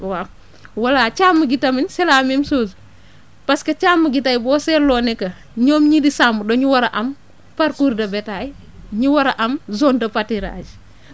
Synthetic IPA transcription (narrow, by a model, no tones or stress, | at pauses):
wa | wɐlat͡ʃaːmːɐɡitɐminsɛlaːmimsoːzu | pɐskɐt͡ʃaːmːɐɡitajbɔːsɛɾlɔːnɛkɐ | ɲɔːmɲidisamudɔɲuwɐɾɐʔɐm | paɾkuːɾdɐbɛtaj | ɲiwɐɾɐʔɐmzoːndɐpatiɾa̰ːd͡ʒ